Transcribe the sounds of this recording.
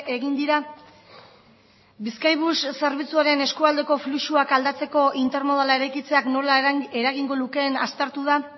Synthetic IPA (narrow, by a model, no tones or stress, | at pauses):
eɣind̪iɾa | biskajβusse̞ɾβ̞it͡suaɾe̞ne̞skuald̪e̞ko̞fluʃuakald̪at͡se̞ko̞ʔint̪e̞ɾmo̞ð̞alae̞ɾajkit͡se̞akno̞lae̞ɾaɣiŋɡo̞luke̞ːna̰st̪eɾt̪uð̞a